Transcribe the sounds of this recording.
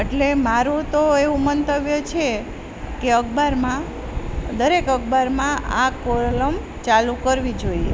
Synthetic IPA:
eʈlemaɾũt̪oeʋũmənt̪əʋjət͡ʃʰe | keəɡbaɾmã | d̪əɾekəɡ̚baɾmãʔakoɾləm | t͡ʃalukəɾʋid͡ʒoiḛ

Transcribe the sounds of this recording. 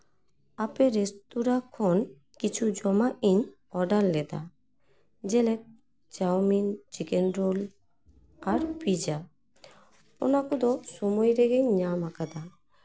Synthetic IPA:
apɛɾɛst̪uɾakʰɔn | kit͡ʃʰud͡ʒɔmaʔiɲ | ɔɖalːɛd̪a̰ | d͡ʒɛlɛk̚ | d͡ʒawmind͡ʒikɛnɾol | aɾpid͡ʒa | ɔ̰nakɔd̪ɔsɔmɔjɾɛɡɛɲɲamakad̪a

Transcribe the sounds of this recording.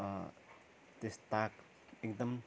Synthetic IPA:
t̪est̪ak | ekd̪əm

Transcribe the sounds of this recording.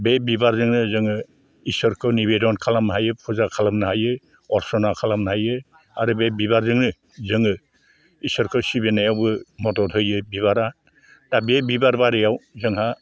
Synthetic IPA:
bebibaɾzɯŋnɯzɯŋɯ | isɯɾkʰɯwnibedɔnkʰalamnɦajɯpʰuzakʰalamnɯɦajɯ | ɔɾsɔnakʰalamnaɦajɯ | aɾɯbebibaɾzɯŋnɯ | zɯŋɯ | isɔɾkʰɯsibenajawbɯmɔtɔtʰɯjɯbiβaɾa | d̥abebibaɾbaɾijawzɯŋha

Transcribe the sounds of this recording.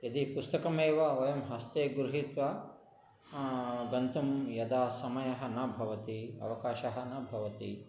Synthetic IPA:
ɐd̪ipust̪ɐkɐmeːʋɐʋɐjɐmɦɐst̪eːɡɾuɦit̪ʋɐ | ɡɐnt̪umjɐd̪aːsɐmɐjɐɦɐ̆nɐbʱɐʋɐt̪iɐ̰ʋɐkaːʃɐɦɐ̆nɐbʱɐʋɐt̪i

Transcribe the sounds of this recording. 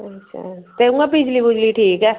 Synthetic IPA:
ɐtːʃʰa̰t̪eũŋɡapɪd͡ʒliɡʊd͡ʒliʈʰiːkɦɛː

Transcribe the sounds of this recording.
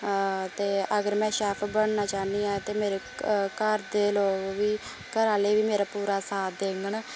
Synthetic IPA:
t̪eːʔəɡəɾmɛ̃ːʃaːpʰbəɳnaːt͡ʃaːniːãːt̪eːmeːɾeːkəɾd̪eːloːʋiː | kəɾaːleːʋiːmeːɾaːpuːɾaːsaːd̪eːŋɡəɳ

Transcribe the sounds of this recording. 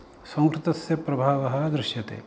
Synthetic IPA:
sɐ̃ŋkɾɪt̪ɐsjɐpɾɐbʱaːʋɐɦɐ̆d̪ɾɪʃjɐt̪ḛː

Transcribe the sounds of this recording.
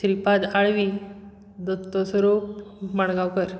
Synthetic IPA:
tɾipad̪aɭʋi | d̪ɔt̪ːɔsəɾup̚məɳɡawkəɾ

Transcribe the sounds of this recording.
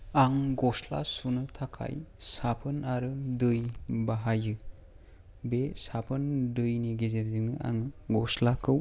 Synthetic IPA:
aŋɡɔsla̰sunɯtʰakʰa̰jsapʰɯnaɾɯdɯjbaɦajɯ | besapʰɯndɯjniɡezeɾdiŋnɯʔa̰ŋɯɡɔslakʰɯw

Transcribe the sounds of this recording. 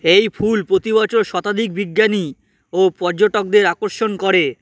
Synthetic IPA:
ejpʰulpɾot̪iβat͡ɕoɾʃɔt̪ad̪ʱik̚biɡːani | opɔɾd͡ʑoʈok̚d̪eɾakoɾʃonkoɾe

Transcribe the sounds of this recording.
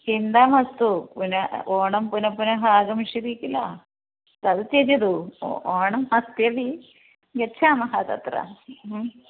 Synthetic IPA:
hind̪aːmɐst̪upunɐoːɳɐmpunɐpːunɐɦaːɡɐmiʂɐðikʲːilːa | t̪ɐðɨt͡ɕeɾɐðṵoːɳɐmhɐst̪jɐʋi | ɡet͡ɕʰːaːmɐhɐt̪ɐ̰t̪ra̰

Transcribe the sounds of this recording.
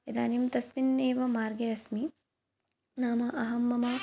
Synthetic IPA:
ed̪a̰ːnimt̪ɐsminːeːʋɐmaːɾɡɐɐsmi | naːmɐʔɐɦɐmːɐmɐ

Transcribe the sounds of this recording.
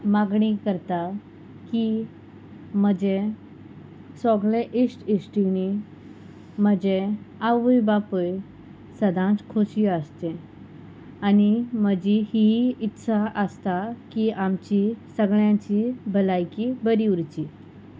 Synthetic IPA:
maɡɳikəɾt̪a | ki | m̤əd͡ʑe | sɔɡɭeʔisʈisʈini | məd͡ʑeaʋəjbapəj | səd̪ʱãt͡skʰoɕiəst̪ẽ | animəd͡ʑihiit̪ːsʰaʔəst̪akiʔamt͡ɕisəɡɭjãt͡ɕibʱəlajkibəɾiuɾt͡ɕi

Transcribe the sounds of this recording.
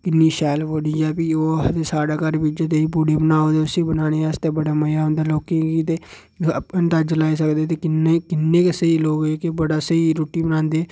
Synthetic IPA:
kɪnːiːʃɛːlpoɽid͡ʒɛːpioːt̪esaːɽaːkəɾbid͡ʒet̪eːiːpuɽeːbənaːoːd̪eːʊsiːbənaːñeːɛst̪eːbəɽaːməjaːʊ̃nd̪aːloːkẽkit̪eː | pənt̪ad͡ʒəlaːiːsəkd̪eːt̪eːkɪnekɪnːẽːkɪseiloːɡeːkebəɽaːsəiɾoːʈiːbənãːnd̪eː

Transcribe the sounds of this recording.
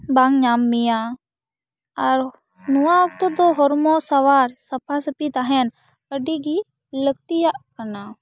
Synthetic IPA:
baŋɲaːmːijaː | ɐɾ | nuãək̚t̪od̪oɦɔɾmõsaʋaːɾsɐpʰasəpit̪aɦɛn | pəɖiɡi | ləɡ̚t̪ijaʔkəɾna

